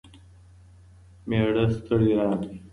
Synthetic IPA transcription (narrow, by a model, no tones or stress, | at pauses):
meːɽəst̪ʰəɽiɾaːmi